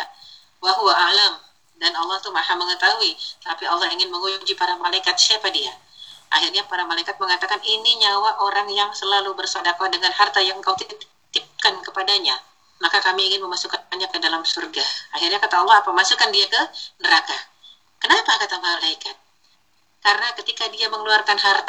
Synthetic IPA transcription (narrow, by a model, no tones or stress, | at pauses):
waɦuaʔalam | danɑlːɑht̪umahaməŋət̪aɦuit̪apiɑlˠːɑhiŋɪnməŋuuɲd͡ʒipaɾamalaikat̪̚siapadia | ʔa̰ɦirɲapaɾamalaikat̪̚məŋat̪akaniniɲawaʔoɾaŋjaŋsəlalubərsadakadəŋanɦart̪ajaŋəŋkawt̪i | t̪ɪp̚kankəpadaɲa | mahkakamiːŋɪnməmasukanbaɲakːədalamsurɡahaɦirɲakat̪aɑlːɑhapamasukandiakənəɾaka | kənapakat̪amalaikat̪̚ | kaɾənakət̪ikadiaməŋəluarkanɦart̪